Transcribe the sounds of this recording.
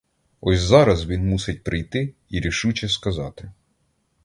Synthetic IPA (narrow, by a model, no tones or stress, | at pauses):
ɔsʲzɑɾɐzʋʲinmusɪt̚ʲpɾɪjt̪ɪ | iɾʲiʃut͡ʃɛskɐzɑt̪ɪ